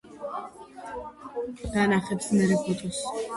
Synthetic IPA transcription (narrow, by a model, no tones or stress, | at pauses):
d̪̥anaχɛpsmɛɾɛpʰɔt̪ʼɔs